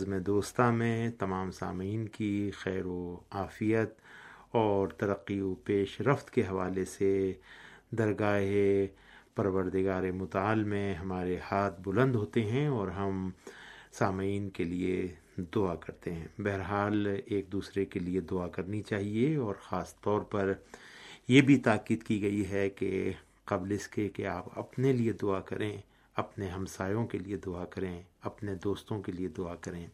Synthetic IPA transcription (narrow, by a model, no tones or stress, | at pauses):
zmẽd̪oːst̪amẽt̪ɐmaːmsa̰ːmiːnkixɛːɾoaːfijət̪ɔːɾt̪ɐɾəqːiopeːʃɾəft̪keɦɐʋaːlese | d̪ɐɾɡaːɦe | pɐɾʋəɾd̪ɪɡaːɾemʊt̪aːlmẽɦɐmaːɾehaːt̪ʰbʊlə̃nd̪ɦoːt̪eɦɛ̃ɔːɾɦɐm | saːmiːnkelie | d̪ʊakɐɾt̪eɦɛ̃ːbɛɦɛɾɦaːleːk̚d̪uːsɾekelied̪ʊakɐɾnit͡ʃaːɦieɔːɾxaːst̪ɔːɾpɐɾ | jebʱit̪aːkiːd̪kiɡɐiɦɛke | qɐblɪskekeaːpɐ̰pnelied̪ʊakɐɾẽː | ɐpneɦɐ̃msaːjõkelied̪ʊakɐɾẽɐpned̪oːst̪õkelied̪ʊakɐɾẽː